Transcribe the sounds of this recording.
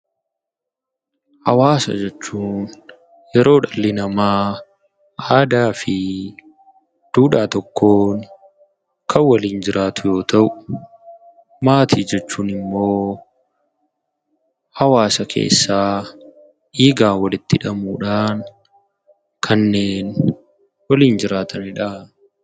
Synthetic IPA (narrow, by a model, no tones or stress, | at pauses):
hɐwaːsɐ̰d͡ʒɛt͡ʃːuːn | jɛɾo̞ːᶑɐlːɪnɐmaː | ʔaːd̪aːfɪ | d̪̥uːᶑaːt̪ɔkːoːn | kʰɐwɐliːnd͡ʒɪɾʔaːt̪ʊjo̞ːt̪ɐʔʊ̥ | maːt̪ʰiːd͡ʒɛt͡ʃːuːnɪmːo̞ː | hɐwaːsɐkʰe̞̰ːsːaː | ʔiːɡaːwɐlɪt̪ːɪᶑɐmuːᶑaːn | kʰɐnːe̞ːn | wɐliːnd͡ʒɪɾaːt̪ʰɐnɪᶑa